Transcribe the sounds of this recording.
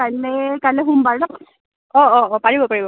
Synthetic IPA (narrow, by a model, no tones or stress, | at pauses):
alɛkalɛɦumbaɹtɔ | ɔɔɔpaɹibɔpaɹibɔ